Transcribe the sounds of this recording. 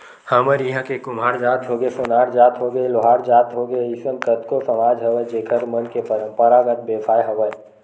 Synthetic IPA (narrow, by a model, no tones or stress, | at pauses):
haməɾiɦãkekʊmaːɾd͡ʒaːt̪ɦoːɡesʊnaːɾd͡ʒaːt̪ɦoːɡeloɦaːɾd͡ʒaːt̪ɦoːɡeɪsəmkət̪kosəmaːd͡ʒɦɐʋəjd͡ʒeːkʰəɾmənkeəpəɾaːɡət̪̚beːpʰaːjɦɐʋəj